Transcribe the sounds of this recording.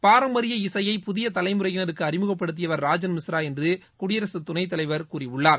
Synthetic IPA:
paːɾɐmbɐɾɪjɐɪsɐjɐɪpʊðɪjɐt̪ɐlɐɪmɯɾɐjɪnɐɾɯkːɯɐrɪmɯɣɐpːɐɽɯt̪̬ːɪjɐʋɐɾɾaːd͡ʒɐnmɪsɾaːɛndrɯkʊɽɪjɐɾɐsɯt̪ʊnɐɪt̪̬ːɐlɐɪʋɐɾkuːriʊɭːaːɾ

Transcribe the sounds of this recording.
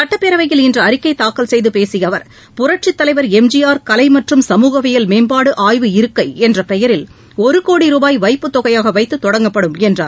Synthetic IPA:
sɐʈːɐpːɛɾɐʋɐjɪlɪndrɐɐɾɪkːɐɪt̪aːkːɐlsɛjðɯpeːsɪjɐʋɐɾ | pʊɾɐʈ̚t͡ʃɪt̪ːɐlɐɪʋɐɾɛmd͡ʒɪjaːɾkɐlɐɪmɐʈrɯmsɐmuːɣɐʋɪjɐlmeːnbaːɽɯʔaːjʋɯɪɾɯkːɐɪɛndrɐpɛjɐɾɪl | ɔɾɯkoːɽiɾuːbaːjʋɐɪpːɯt̪ːɔɣɐjaːɣɐʋɐɪt̪ːɯt̪ːɔɽɐŋɡɐpːɐɽɯmɛndra̰ːɾ

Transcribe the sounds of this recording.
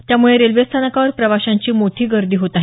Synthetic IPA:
t̪jamuɭeɾelʋest̪ʰanəkaʋəɾpɾəʋaɕaɲt͡ɕiːmoʈʰiːɡəɾd̪iːɦot̪aɦi

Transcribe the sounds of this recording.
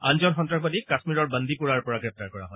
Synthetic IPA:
a̰nzɔnxɔntɹak̚badikːasmiɹɔɹbənd̪ipuɹaɹpɔɹaɡɹɛp̚taɹkɔɹa̰ɦɔj

